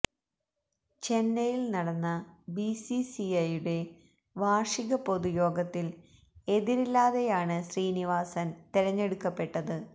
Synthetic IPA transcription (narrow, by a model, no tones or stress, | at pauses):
t͡ɕe̞nːɐjilnɐɽɐnːɐbisisiɐjuɽe̞ | ʋaːʂiɣɐpo̞ðujo̞ːɡɐt̪ːil | e̞ðiɾilːaːðejaːɳɨɕriːniʋaːsɐnt̪iɾɐɲːe̞ɽukːɐpːe̞ʈːɐðɨ